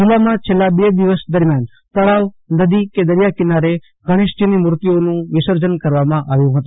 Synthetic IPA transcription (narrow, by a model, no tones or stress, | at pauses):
d͡ʒɪlamãt͡ʃʰelːabed̪iʋəsd̪əɾmjan | t̪əɭaʋ | nəd̪iked̪əɾjakɪnaɾe | ɡʱəɽ̃eʃd͡ʒənimʊɾt̪ionũʋɪsəɾd͡ʒənkəɾʋamãʔaʋjũɦət̪ũ